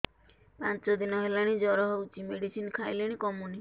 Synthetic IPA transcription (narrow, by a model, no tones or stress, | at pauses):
pãnt͡ʃɔd̪inɔɦelaɽ̃id͡ʒɔɾɔɦɔut͡ʃimeɽisinkʰajleɽ̃ikɔmuni